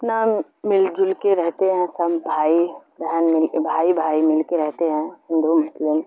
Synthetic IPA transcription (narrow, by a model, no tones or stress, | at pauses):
naːmː | ɪld͡ʒʊlkeɾɛɦt̪eɦɛ̃sɐbːʱaːibʱɛːnmɪlbʱaːibʱaːimɪlkeɾɛɦt̪eɦɛ̃ɦɪ̃nd̪umʊslɪm